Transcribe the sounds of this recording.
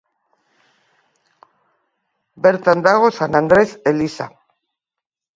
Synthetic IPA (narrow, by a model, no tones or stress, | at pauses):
beɾt̪and̪aɣ̞osanand̪ɾeselisa